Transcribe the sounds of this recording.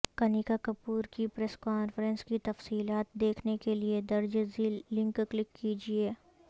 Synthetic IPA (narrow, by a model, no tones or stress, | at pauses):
kɐnikakɐpuːɾkipɾɛskaːnfəɾɛ̃nskit̪ɐfsiːlaːt̪̚d̪eːkʰnekelied̪ɐɾd͡ʒeziːlːɪ̃ŋkklɪkːiːd͡ʒieː